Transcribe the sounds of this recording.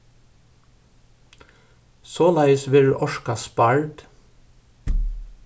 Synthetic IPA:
soːlɑɪsʋɪɖʉːʔɔʃkɑspɑɹt̪

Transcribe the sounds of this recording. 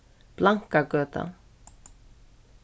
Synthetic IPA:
b̥laŋkaɡøːt̪a̰

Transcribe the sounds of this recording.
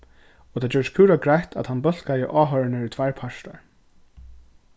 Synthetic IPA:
ɔt̪ʰaːd͡ʒɛːɾskʰuːɾaɡɾajt̪ʰa̰t̪hanːbœl̥kajɪʔaːɦœɹnɪɾɪt̪ʰvajɹpʰaʂt̪a̰ɹ

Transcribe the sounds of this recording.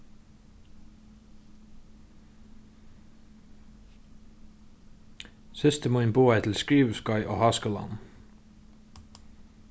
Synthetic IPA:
sɪst̪əmuɪnbuːæɪt̪ʰɪlskɾiːʋəskɑʏʔo̰ːhɑskəlɑ̰n

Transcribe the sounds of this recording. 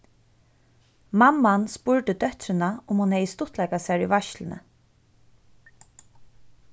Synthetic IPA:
mamːanspʊɹʈ̪əd̪œht̪ɾɪnaʊmhʊnhɛjɪst̪ʊht̪lɛjkasæɹiʋaʃlɪnə̰

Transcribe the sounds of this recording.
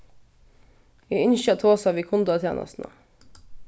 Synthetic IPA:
iːʏnʃɑt̪ʰoːsɑʋiːkʰʊnd̪ɑt̪ʰjḛːnʔɑ̰st̪nə̰

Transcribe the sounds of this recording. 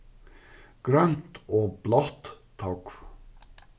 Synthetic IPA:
ɡ̥ɾœnt̪oːblɑt̪ʰː | ɑk

